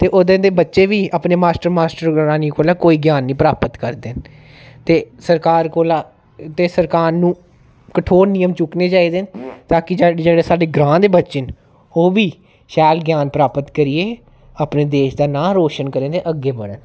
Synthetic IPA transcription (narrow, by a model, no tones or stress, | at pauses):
t̪eːʔod̪ẽːd̪eːbətːʃeːʋiːaːpneːmaːsʈəɾmaːsʈəɾaːniːkʰoːlaːkoːiːɡjaːnːĩːpəɾaːpət̪kəɾd̪en | t̪eːsəɾkaːɾkoːlaː | t̪eːsəɾkaːɾnũː | kəʈʰoːɾnijəmt͡ʃʊkneːt͡ʃaːiːd̪ent̪aːkɪd͡ʒd͡ʒeːɽeːsaːɖeːɡɾãːnd̪eːbətːʃən | oːʋiː | ʃɛːlɡjaːnpɾaːpət̪kəɾɪːeː | aːpneːd̪eːʃd̪aːnãːɾoːʃənkəɾẽːd̪eːʔəɡːeːbəɽən